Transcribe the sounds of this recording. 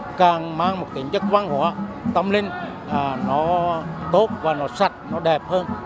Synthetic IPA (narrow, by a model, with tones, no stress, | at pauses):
kaː˨˩ŋmaː˧ŋmo˨˩t̚t̪i˨˩˦ŋt͡ɕə˦˥kwaː˧ŋho˨˧˦ə˦t̪ə˧mlï˧ŋː˨˩ | nɔ˨˦ɓo˦˥t̚vaː˨˩nɔ˨˦sa˨˩t̚nɔ˨˦ɗɛ˨˩p̚həː˧n